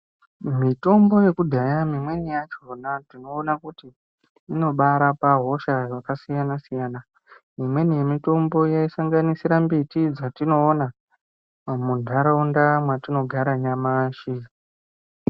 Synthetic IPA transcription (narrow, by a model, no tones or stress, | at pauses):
mito̞mbo̞je̞kudʱajamimwe̞nijat͡ʃonatinoːnakutiː | no̞ɓaɾapaɦo̞ʃaʐakasijanasijana | mimwe̞nije̞mito̞mbo̞jaisaŋɡanisiɾambitid͡zatino̞ːna | mundʱaɾaundamwatino̞ɡʱaɾaɲamaːʃi